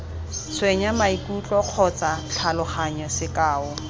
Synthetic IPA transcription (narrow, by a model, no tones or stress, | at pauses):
t͡sʰweɲamaikʼut͡ɬʼɔq͡χʰɔt͡sat͡ɬʰalʊχaɲɔsɪkʼaːʊ